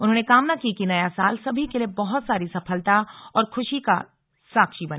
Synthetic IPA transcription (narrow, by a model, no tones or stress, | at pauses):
ʊnɦõːnekaːmnakikinɐjasaːlsɐbʱikeliebɔɦʊt̪saːɾisɐfʰəlt̪aɔːɾkʰʊʃika̰ | saːkʃibɐn